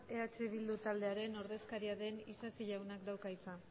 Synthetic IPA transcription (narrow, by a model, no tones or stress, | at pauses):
e̞at͡ʃe̞βild̪ut̪ald̪e̞aɾe̞no̞ɾðe̞skaɾiaðe̞nisasiʎawnakd̪awkajt͡sa